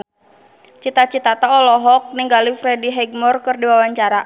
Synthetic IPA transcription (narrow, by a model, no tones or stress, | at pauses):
t͡ʃit̪at͡ʃit̪at̪aɔlɔɦɔk̚niŋɡalifɾɛdiɦɛɡ̚mɔrkɨrdiwawaɲt͡ʃaɾa